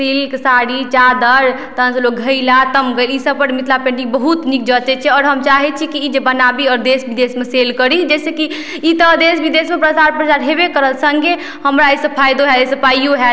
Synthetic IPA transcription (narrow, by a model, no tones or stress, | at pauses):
silksaɽit͡ʃad̪əɾt̪əənslok̚ɡʱəjlat̪əmɡəlisəb̚pəɽmit̪ʰlapẽɳʈibəɦut̪nik̚d͡ʒət̪ɛt͡ʃʰɛɔːɾɦəmt͡ʃaɦɛt͡ʃʰikiːd͡ʒebənabiɔɾd̪esbid̪esmeselkəɾid͡ʒɛseki | it̪əd̪esbid̪esmepɾəsaɾpɾət͡ʃaɾɦebekəɾəlsə̃ŋɡe | həmɾaesəpʰajd̪oɦɛesəpʰajjoɦɛ